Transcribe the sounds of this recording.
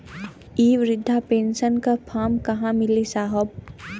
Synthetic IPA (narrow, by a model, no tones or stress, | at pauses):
iːʋɾɪd̪ʱːapẽːnsənkapʰaːmkɐɦãmɪlisaːɦəb